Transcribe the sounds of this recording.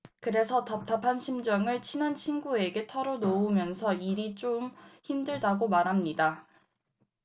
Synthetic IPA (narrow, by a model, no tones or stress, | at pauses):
kɯɾe̞sʰʌtap̚tʰapʰanɕʰimd͡ʑʌŋɯɭt͡ɕʰinant͡ɕʰinɡue̞ɡe̞tʰʌɾonoumjʌnsʰʌiɾit͡ɕ͈omçimdɯɭdaɡomaɾɦamɲida